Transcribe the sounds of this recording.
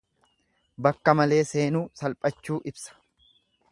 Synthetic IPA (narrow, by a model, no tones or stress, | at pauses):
bɐkːɐmɐle̞ːse̞ːnuːsɐlpʼɐt͡ʃːuːʔɪbsɐ̥